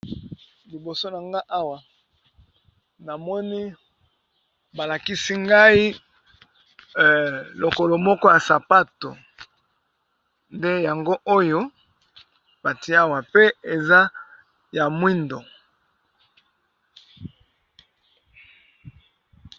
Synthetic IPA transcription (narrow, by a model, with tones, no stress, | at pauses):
li˨bo˨so˦na˨ŋɡa˦ʔa˦wa˨ | na˨mɔ˦ni˦ | ba˨la˨ki˦si˦ŋɡa˦i˦˨ | lo˨ko˨lo˨mɔ˦kɔ˦ja˨sa˨pa˦to̰˨ | nde˦ja˨ŋɡo˦ʔo˦jo˦ | ba˨ti˨˦a˦wa˨pe˦e˨za˦ | ja˨mwi˦ndo˨